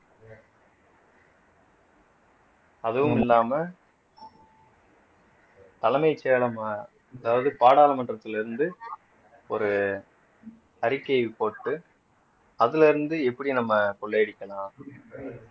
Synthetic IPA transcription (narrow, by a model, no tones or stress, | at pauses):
ɐðɯʋɯmɪlːaːmɐ | t̪ɐlɐmɐɪt͡ʃːeːɭɐma | ɐðaːʋɐðɯpaːɽaːlɐmɐɳɖrɐt̪ːɪlɪɾɯnd̪ɯ | ɔɾɯ | ɐɾɪkːeːʋipoːʈːɯ | ɐðɪlɪɾɯnd̪ɯɛpːɐɽinɐmːɐkɔɭːeːɪɽɪkʲːɐlãː